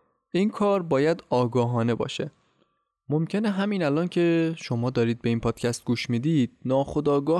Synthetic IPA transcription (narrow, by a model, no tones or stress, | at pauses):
ʔinkʰɒːɾbɒːjæd̪ɒːɡɒːɦɒːne̞bɒ̰ːʃe̞ | mo̞mcʰe̞neɦæmiːnælɒːncʰe̞ʃo̞mɒːd̪ɒːɾiːd̪̚be̞iːnpʰɒːd̪̥cʰæst̪̚ɡuːʃmiːd̪iːd̪̥̚nɒːxo̞d̪ɒːɡɒː